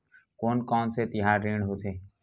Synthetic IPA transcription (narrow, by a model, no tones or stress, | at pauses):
koːnkɔːnset̪ɪɦaːɾːẽːɳɦot̪ʰeː